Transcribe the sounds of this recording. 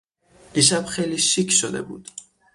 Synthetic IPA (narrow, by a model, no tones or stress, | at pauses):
iʃ̬æb̥xejliʃicʰʃod̪e̞̰bṵːd̪̥